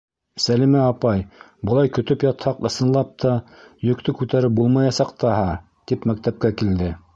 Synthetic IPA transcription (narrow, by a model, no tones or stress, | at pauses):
sælimæɑpɑj | bɤ̆lˠɑjkɵ̆t̪ɵpjɑt̪hɑqɤ̆sɤ̆nlˠɑp̚t̪ʰɑjɵ̆kt̪ɵkʉt̪æɾɘp̚bulˠmɑjɑsɑqt̪ɑɦɑ | t̪ipmæk̚t̪æp̚kækild̪ɘ